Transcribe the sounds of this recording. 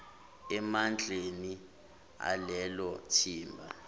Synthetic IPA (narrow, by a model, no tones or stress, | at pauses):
ɛmand͡ɮʱʼeni | a̰lɛlɔtʰiːmbʱa̰